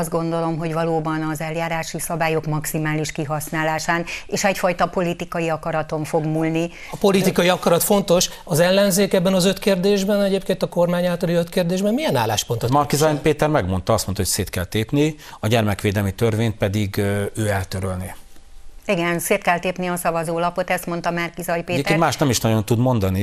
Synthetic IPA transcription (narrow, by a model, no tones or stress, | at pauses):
ɒzd̪̚ɡo̞nd̪o̞lo̞mɦo̞ɟvɒloːbɒnɒzɛljaːɾaːʃisɒbaːjo̞kmɒksimaːliʃkiɦɒsnaːlaːʃaːneːʃɛcfɒjt̪ɒpo̞lit̪ikɒjiɒkɒɾɒt̪o̞ɱfo̞ɡmulni | po̞lit̪ikɒjiɒkɒɾɒt̪fo̞nt̪o̞ʃ | ɒzɛlːɛnzeːkɛbːɛnɒzøt̪keːrd̪eːʒbɛnɛɟeːpkeːnt̪ɒko̞rmaːɲaːlt̪ɒliøt̪keːrd̪eːʒbɛmmiɛnaːlːaːʃpo̞nt̪omɒrkizɒjpeːt̪ɛrmɛɡmo̞nt̪ɒɒst̪mo̞nt̪ɒɦocseːt̪kɛlt̪eːpni | ɒɟɛrmɛkʋeːd̪ɛlmit̪ørveːnt̪̚pɛd̪iɡøːɛlt̪øɾølni | iɡɛnseːt̪kɛlt̪eːpniɒsɒvɒzoːlɒpo̞t̪ɛst̪mo̞nt̪ɒmarkizɒjpeːep̪enmaːʃt̪ɛmiʃnɒɟo̞nt̪ud̪mo̞nd̪ɒni